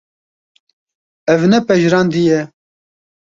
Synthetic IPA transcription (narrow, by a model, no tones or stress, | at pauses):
ɛvnɛpɛʒɾɑːnd̪ijɛ